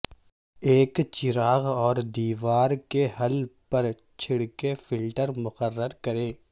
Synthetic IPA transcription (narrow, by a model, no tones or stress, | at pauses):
eːkt͡ʃɪɾaːɣɔːɾd̪iːʋaːɾkeɦɐlpɐɾ | t͡ʃʰɪɽkefɪlʈəɾmʊqərːəɾkɐɾẽː